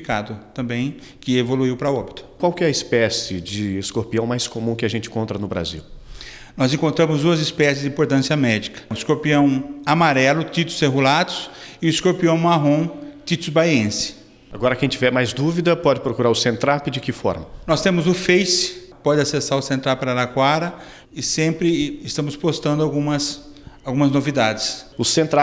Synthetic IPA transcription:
ikad̪ʊt̪ɐ̃mbẽj̃ | kɪevoluiwpɾɐɔbit̪ʊ̥kwawkɪɛɐɪspɛsɪd͡ʒɪeskoɾpiɐ̃w̃majskomũkɪaʒẽnt͡ʃɪ̃kõnt̪ɾɐnʊbɾa̰zḭw | nɔzẽŋkõnt̪ɾɐ̃mʊzd̪uɐzɪspɛsɪzd͡ʒɪĩmpoɾt̪ɐ̃siɐmɛd͡ʒikɐ̥ɪskoɾpiɐ̃w̃amaɾɛlʊt̪it̪ʊ̥seɦulad̪ʊ̥sɪʊɪskoɾpiɐ̃w̃maɦõt̪it̪ʊzbajẽsɪ̥ | aɡɔɾɐkẽj̃t͡ʃivɛɾmajzd̪uvid̪ɐpɔd͡ʒɪpɾokuɾaɾʊsẽnt̪ɾapɪd͡ʒɪkɪfɔ̰ɾmɐnɔst̪ẽmʊzʊfejsɪ̥ | pɔd͡ʒɪasesaɾʊsẽnt̪ɾawpaɾalakwaɾɐ | ɪsẽmpɾɪɪst̪ɐ̃mʊspost̪ɐ̃nd̪ʊawɡũmɐsawɡũmɐznovid̪ad͡ʒɪsʊsẽnt̪ɾa

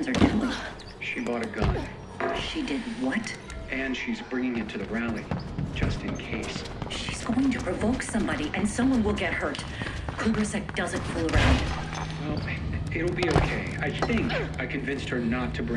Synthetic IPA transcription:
nzə˞tʰu | ʃibɔɾɨɡʌ̃n | ʃidɪdⁿn̩wʌt | ʔɨ̃nʃizbɹɪ̃ŋɪ̃ŋɪ̃ntʰʉðɨɹælˠid͡ʒʌstɨ̃nkʰeɪs | ʃiz̥ɡoʊɪ̃ŋtʰɨpʰɹ̥ɨvoʊksʌ̃mbɑɾiʔɨ̃nsʌ̃mwʌ̃nwɪlˠɡɛt̚hə˞t | kʰuɡə˞sɛk̚d̥ʌzɨ̃nfulˠəɹãʊ̃nd | wɛlˠɪɾl̩ˠbioʊkʰeɪaɪθɪ̃ŋkaɪkʰɨ̃ɱvɪ̃nst̚hə˞nətʰɨbɹɪ̃

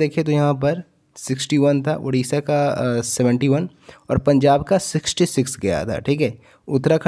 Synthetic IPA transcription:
eːkʰet̪ojɐɦãp̬ɐɾ | sɪksʈiʋɐnt̪ʰa̰ʔʊ̰ɽ̤iːsakasɛʋə̃ɳʈiʋɐn | ɔːɾpɐ̃ɲd͡ʒaːbkasɪksʈisɪksɡɐja̰t̪ʰa̰ːʈʰiːkɦɛː | ʊt̪ːɾakʰ

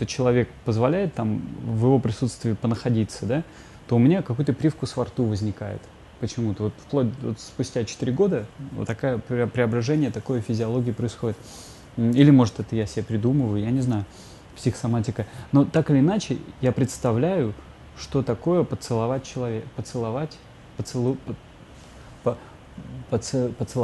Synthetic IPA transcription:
t̪ot͡ɕɪlˠɐvʲe̞k̚pəzvɐlʲæjɪt̪ːamvjɪvo̞pɾʲɪsut̪st̪vʲɪːpənəxɐdʲit̪səd̪a | t̪o̞ʊmʲnʲakɐkujʊt̪əpɾʲifkʊsvɐrt̪uvəzʲnʲɪkajɪ̰t̪ | pət͡ɕɪmut̪əvo̞t̪fplˠod̚ʲdvo̰t̪spʊsʲtʲat͡ɕɪ̥t̪iɾʲɪɡo̞d̪ə̰t̪ːɐkajəpʲɪpɾʲɪɐbɾɐʐɛnʲɪjət̪ɐko̞jəfʲɪzʲɪɐlˠo̞ɡʲɪəpɾəɪsxo̞dʲɪt̪ | ilʲɪmo̞ʐɨt̪ɛt̪əjasʲɪbʲepɾʲɪd̪uməvəjʊjanʲɪznajʊ | psʲɪxə̥sɐmatʲɪkəno̞t̪akɨlʲɪːnat͡ɕɪjapɾʲɪt̪st̪ɐvlʲæjʊ | ʂt̪o̞t̪ɐko̞jəpət̪sɨlˠɐvat̚ʲt͡ɕɪlˠɐvʲpət̪sɨlˠɐvatʲ | pəsɨp | p | pəɨpət̪sɨlˠ

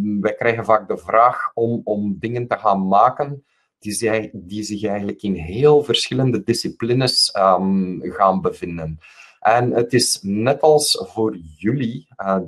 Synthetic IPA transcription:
ʋɛjkrɛjɣənvaːɡ̚dəvraːxɔmɔmdɪŋəntəɣaːnmaːkən | d̥idizɪxɛjɣəntləkɪnɦeːlˠvərsxɪləndədɪsiplinəsəɣaːnbəvɪndən | ʔɛnətɪsnɛtɑlˠsv̥oːrjyliə

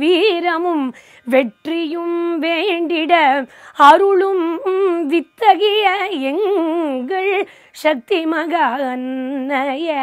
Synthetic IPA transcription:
ʋiːɾɐmɯm | ʋɛʈrɪjɯmʋeːɳɖɪɽɐɐɾʊɭɯmʋɪt̪ːɐɣɪjɐɛŋɡɐɭ | ʂɐk̚t̪imɐɣɐɐnːɐjɐ

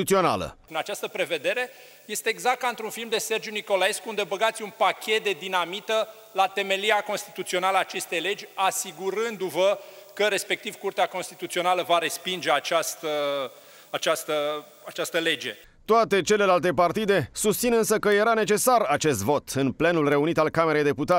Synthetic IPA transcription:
ut̪sio̞na̰lə̰inat͡ʃast̪əpɾe̞ve̞d̪e̞ɾe̞ | je̞st̪eːɡzak̚t̪aɨnt̪ɾunfilmd̪e̞se̞rd͡ʒjuniko̞lae̞skuund̪e̞bəɡat̪sʲunpakʲe̞t̪̚d̪ed̪inamit̪ə | lat̪e̞me̞liako̞nst̪it̪ut̪sio̞naləaːt͡ʃe̞st̪e̞jle̞d͡ʒʲasiɡuɾɨnd̪uvəkəɾe̞spe̞k̚t̪ivkurt̪eako̞nst̪it̪ut̪sio̞naləvaɾe̞spind͡ʒe̞at͡ʃast̪ə | at͡ʃast̪ə | at͡ʃast̪əle̞d͡ʒe̞ | t̪oat̪e̞t͡ʃe̞le̞lalt̪e̞part̪id̪e̞sust̪sinɨnsəkəje̞ɾane̞t͡ʃe̞sarat͡ʃe̞st̪vo̞t̪ɨnple̞nulre̞unit̪alkameɾe̞jd̪e̞put̪at

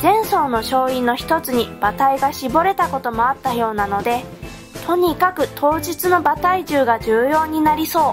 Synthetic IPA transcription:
zẽ̞ɰ̃so̞ːno̞ɕo̞ːinːo̞çi̥t̪o̞t͡sɨɲ̟ib̥at̪aiɡaɕibo̞ɾe̞t̪ako̞t̪o̞mo̞at̪ːajo̞ːnano̞d̪e̞ | t̪ʰo̞ɲ̟ikakɯ̟t̪ʰo̞ːʑit͡sɨno̞bat̪aiʑɨːɡad͡ʑɨːjo̞ːɲ̟inaɾʲiso̞ː

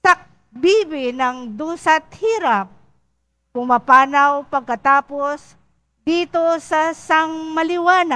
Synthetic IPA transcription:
sɐk̚ | biːbɪnɐŋd̪uːsɐt̪̚hiːɾap̚ː | ʊŋmapaːnawpɐɡ̚kɐt̪aːpos | d̪iːt̪osɐsaŋmɐlɪwaːna

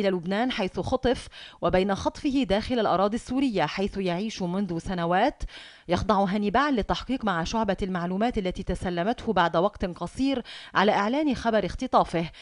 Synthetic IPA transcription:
ʔɪlaːlʊbnaːnħajθʊxɑt̪ˤɨfwɪbajnaxɑt̪ˤfɪhɪd̪aːxɪlalʔɑɾˤɑːd̪ˤisːuːɾɪjːaħajθʊjaʕiːʃmʊnðʊsanawaːt̪ | jɑxd̪ˤɑʕʊɦanɪbaːʕnlɪt̪ːɑħqiːqmaʕʃʊʕbalmaʕluːmaːt̪ʔalːæt̪iːt̪asalːamat̪hʊbaʕd̪wɑqt̪qɑsˤiːɾʕa̰laːʔɪʕlaːnxabɑɾɪxt̪ɨt̪ˤɑːfɪh

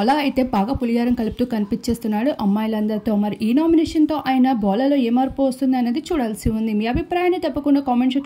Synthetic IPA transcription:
ɔlaɐjit̪e̞ːbaːɡaːpulijaːɾɐmkɐlip̚t̪uːkɐnipit͡ʃːe̞ːst̪unːaːɽuʔɐmːaːjlɐnd̪ɐɾt̪o̞ːmɐɾiʔiːnaːminɛːʂɐnt̪o̞ːʔaːjɐnɐbɔːlɐlo̞ːeːmɐːɾpoʋɐst̪und̪iɐnːeːd̪it͡ʃuːɽaːlsiund̪imiːɐbʱipɾaːjaːnit̪ɐpːɐkuɳɖakaːmeɳʈʂ̬ik

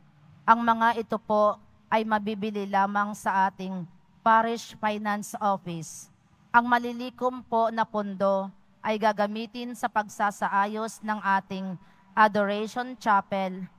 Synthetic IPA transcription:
ʔɐŋmɐŋaʔɪt̪opo̞ | ʔɐjmɐbiːbɪlɪlaːmɐŋsɐʔaːt̪ɪŋ | paɾɪʃfajnansʔofɪs | ʔɐŋmɐliliːkompo̞nɐpʊnd̪o̞ | ʔɐjɡaɡɐmiːt̪ɪnsɐpɐɡsaːsɐʔaːjo̞snɐŋʔaːt̪ɪŋ | ʔɐd̪oɾɛjʃont͡ʃapɛl

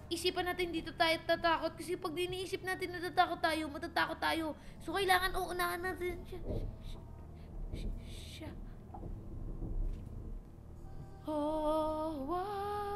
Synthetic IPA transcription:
ʔisiːpɐnːaːt̪ɪnd̪iːt̪o̞t̪aːjot̪at̪aːko̞t̪̚kɐsɛpɐɡ̚nɪʔniʔiːsɪp̚naːt̪ɪnmɐt̪aːt̪aːkot̪ːaːjo̞mɐt̪at̪aːkot̪ːaːjo̞sokɐjlaːŋɐnʔoʔʊnaːhɐnɐd̪ɪnʃa | ʃa | o | wa

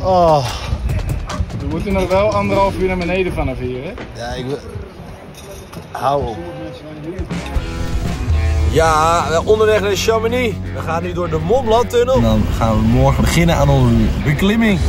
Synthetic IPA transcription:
ɔ | dəmutənɔxʋɛlˠandərəalˠfyːnamənejdəfanafiərɛjaɪk | hawo | jaʋɛlˠondəʋɛxnaʃaməniʋəxaːnydodəmomlatønəlˠdɔnxaːnʋəmɔərxəəbəχɪnənaːnɔnzəbəklɪmɪŋ

